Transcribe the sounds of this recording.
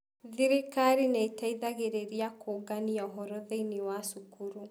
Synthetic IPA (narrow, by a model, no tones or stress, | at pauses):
ðiɾekaɾineitaiðaɣeɾeɾiakʰoːɡaniaɔɦɔɾɔðeinewasukuɾu